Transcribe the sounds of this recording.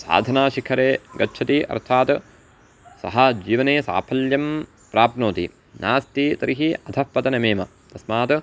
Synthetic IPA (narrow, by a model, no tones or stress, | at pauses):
sa̰ːd̪ʱɐnaːʃikʰɐɾeːɡɐːʃʰɐt̪iʔɐ̰ɾt̪ʰaːt̪ | sɐ̰ɦɐd͡ʒiːʋɐneːsa̰ːpʰɐljɐm | pɾaːpnoːt̪i | naːst̪it̪ɐɾʔiɦiɐd̪ʱʰɐhpɐt̪ɐnɐmeːmɐ̰ | t̪ɐsmaːt̪